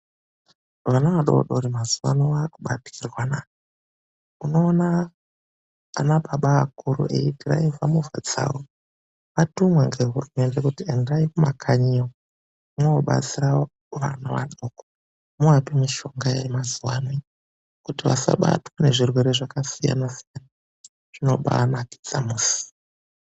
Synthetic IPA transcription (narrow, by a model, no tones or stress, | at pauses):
ʋanaʋaɗo̞̰ɗo̞̰ɾimazuwa̰nowakuɓatirwana | uno̞ːna | naɓaɓaːkuɾṵʔḛitira̰ivamuvʱa̰d͡za̰wo | ʋatumwaŋɡeɦuinendekutiendaikumakʰaɲiwo | mooɓa̰t͡sira | ʋa̰naʋa̰noko | muapimiʃo̞ŋɡajemazuwane | kutiʋa̰sa̰ɓa̰twane̞ʐirwe̞ɾe̞ʐakasija̰nasijana | ʐ̥ino̞ɓa̰ːnaki̥d͡za̰muːsi̥